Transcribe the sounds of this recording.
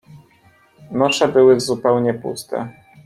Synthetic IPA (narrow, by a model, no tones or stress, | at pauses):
nɔʂɛbɘwɘzupɛwɲɛpṵst̪ɛ̰